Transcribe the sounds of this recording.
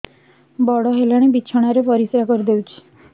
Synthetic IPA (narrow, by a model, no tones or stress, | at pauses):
bɔɽɔɦelaɽ̃ebit͡ʃʰɔɽ̃aɾepɔɾisɾakɔɾid̪ewt͡ʃʰi̥